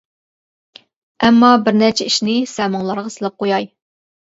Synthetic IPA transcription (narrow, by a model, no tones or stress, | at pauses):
ɛmːɑbɪɾnɛɾt͡ʃʰɛiʃnɪsɛmɑŋlˠɑɾʁɑsɨlˠɑp̚qʰojɑj